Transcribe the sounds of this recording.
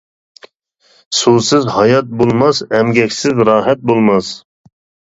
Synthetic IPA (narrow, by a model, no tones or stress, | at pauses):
susɪzhɑjɑt̪̚bolˠmɑsɛmɡʲɛkʲsɪzɾɑːɦɛt̪̚bolˠmɑs